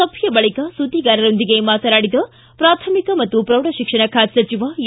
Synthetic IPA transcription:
ɐbʱjɐbɐɭikɐsud̪ʱːiɡaːɾɐɾo̞nd̪iɡe̞maːt̪ɐnaːɽid̪ɐ | pɾaːt̪ʰɐmikɐmɐt̪ːupɾɐwɽɐʃikʂɐɳɐkʰaːd̪sɐt͡ʃiʋa

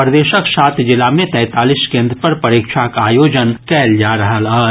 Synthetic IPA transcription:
pɾəd̪eːʃəksaːt̪ʰd͡ʒɪlːamẽt̪ɛ̃ːt̪aːliskẽːnd̪ɾəpɐɾpɐɾiːkʃʰakaːjoːd͡ʒənkɛːld͡ʒaɾɐɦələ

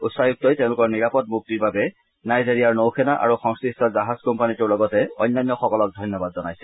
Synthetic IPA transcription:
utsajuk̚tɔjtẽʊ̃lʊkɔɹniɹapɔt̚muk̚tiɹbabɛ | najzeɹiaɹnowxʰɛnaʔa̰ɹuxɔŋskistɔzaɦaz̥kɔmpanitʊɹlɔɡɔtɛɔ̰jnːajnjɔxɔkɔlɔk̚dʱɔjnjɔbadzɔnajsɛ̥

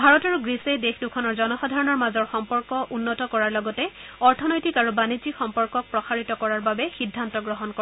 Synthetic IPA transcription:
bʱaɹɔtaɹuɡɹisejdexdukʰɔnɔɹzɔnɔxɔdʱaɹɔnɔɹmazɔɹxɔmpɔɹkɔʔunːɔtɔkɔɹaɹlɔɡɔtɛɔɹtʰɔnɔjtikaɹubanizikxɔmpɔɹkɔk̚pɹɔsaɹitɔkɔɹaɹbabɛxidʱːantɔɡɹɔɦɔnkɔ

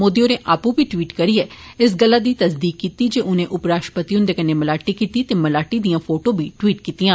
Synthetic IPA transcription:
moːd̪ijoːneːʔaːpũːbiːʈʋiːʈkəɾiːɛː | ɪs̬ɡəlːaːd̪iːt̪əsd̪iːkːiːt̪iːd͡ʒeːʔʊnẽːʔʊpɾaːʃʈə̥pət̪iʊ̃nd̪eːkəneːməlaːʈiːkiːt̪iːt̪eːməlaːʈiːd̪ijãːpʰoːʈõːbʱiːʈʋiːʈkiːt̪ijãː

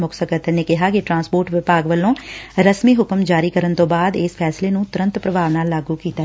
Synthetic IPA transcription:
mʊksəkət̪əneːkɪɦaːkɪʈɾãːnspoːɾʈʋɪpaːɡʋəlːõːɾəsmiːɦʊkəmd͡ʒaːɾiːkəɾənt̪õːbaːd̪eːspʰɛːsleːnũːt̪ʊɾə̃nt̪pɾəbʱaːʋnaːlːaːɡuːkiːt̪a

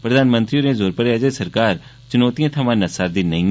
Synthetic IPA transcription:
pɾəd̪aːnmə̃nt̪ɾioɾẽːzoːɾpəɾaːd͡ʒasəɾkaːɾ | t͡ʃʊnoːt̪ijãːt̪ʰəmãːnəsaːɾd̪iːnəĩ

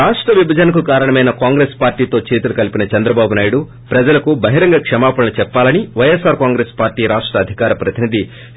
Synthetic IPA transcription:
ɾaːʂʈɾɐʋibʱɐd͡ʒɐnɐkukaːɾɐɳɐmɐjnɐkaːŋɡɾeːspaːɾʈiːt̪o̞ːt͡ʃe̞ːt̪ulukɐlipinɐt͡ʃɐnd̪ɾɐbaːbunaːjuɽu | pɾɐd͡ʒɐlɐkubɐɦiɾɐŋɡɐkʂɐmaːpɐɽɐnɐt͡ʃɛpːaːlɐniʋɐjesaːɾkaːŋɡɾeːspaːɾʈiːɾaːʂʈɾɐːd̪ʱikaːɾɐpɾɐt̪inid̪ʱi

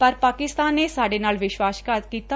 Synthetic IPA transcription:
pəɾpaːkɪst̪aːnːeːsaːɖeːnaːlʋɪʃwaːʃkat̪kiːt̪a

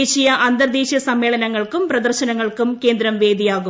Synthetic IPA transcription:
ɕijɐʔɐnd̪ɐrd̪iːɕɐsɐmːe̞ːɭɐnɐŋːɐɭkumprɐd̪ɐrɕɐnɐŋːɐɭkumke̞ːnd̪ɾɐmʋe̞ːd̪ijaːɣu

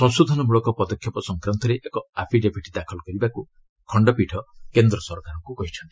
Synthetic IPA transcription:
sɔ̃nsud̪ʱɔnɔmuɭɔkɔpɔd̪ɔkʰːjɔpɔsɔŋkɾant̪ɔɾeʔekɔapʰiɖepʰiʈid̪akʰɔlɔkɔɾibaku | kʰɔɳɖɔpiʈʰɔkend̪ɾɔsɔɾkaɾɔŋkukɔɦit͡ʃʰɔnt̪i̥

